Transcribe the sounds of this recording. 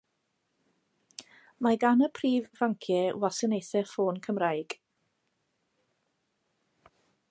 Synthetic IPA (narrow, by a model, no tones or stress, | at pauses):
maɡanəpʰriːvːaŋkʰjɛwasənejθɛfoːnkʰəmrajɡ̥